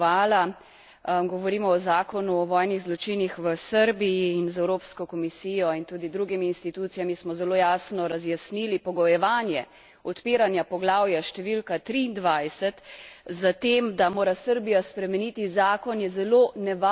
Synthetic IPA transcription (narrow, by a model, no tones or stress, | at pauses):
aːla | ɡɔʋɔɾiːmɔɔzaːkɔnuɔʋɔːjniɣzlɔt͡ʃinixʋəsəɾbijiːnzɛwɾoːpskɔkɔmisijɔint̪uːd̪id̪ɾuɡimiːnst̪it̪ut̪sijamismɔzɛloːjaːsnɔɾazjasnilipɔɡɔjɛʋaːnjɛ̰ | ɔt̪piːɾanjapɔɡlaːwjaʃt̪ɛʋilkat̪ɾiːnd̪ʋajsɛt̪zat̪emd̪amoːɾasəɾbijaspɾɛmɛnit̪izaːkɔnjɛzɛloːnɛʋa